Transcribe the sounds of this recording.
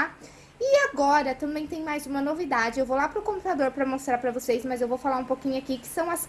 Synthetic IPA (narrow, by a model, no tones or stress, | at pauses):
ɪaɡɔɾɐt̪ɐ̃mbẽj̃t̪ẽj̃majzũmɐnovid̪ad͡ʒɪewvowlapɾʊkõpu̥t̪ad̪oɾpɾɐmost̪ɾaɾpɾɐvosejsmɐzewvowfalaɾũpokĩɲʊakikɪ̥sɐ̃w̃ɐs